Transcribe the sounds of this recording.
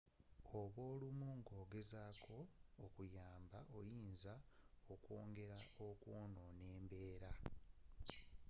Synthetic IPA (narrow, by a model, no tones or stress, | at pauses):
o̞βwo̞ːlumuŋɡo̞ːɡe̞zaːkʰo̞ːkujaːmbaʔo̞jiːnzaokwo̞̰ːŋɡe̞ɾaokwo̞ːno̞ne̞ːmbe̞ːɾa